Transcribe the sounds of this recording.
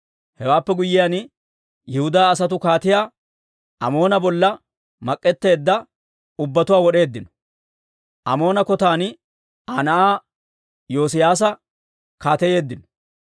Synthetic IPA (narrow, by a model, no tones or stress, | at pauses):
hɛwaːpːɛɡʊjːɪjan | jɛhʊd̪aːs̬ɐt̪̬ʊkaːt̪ɪjaː | ʔɐmo̞ːnɐbɔlːɐ | mɐkʼːɛt̪ːe̞ːd̪ːɐ | ʊbːɐt̪ʊwaːwɔɗe̞ːd̪ːɪnɔ̥ | ʔɐ̰mo̞ːnɐkɔt̪aːn | anɐʔaː | jo̞ːs̬ɪjaːs̬ɐ | kaːt̪ɛje̞ːd̪ːɪnɔ̥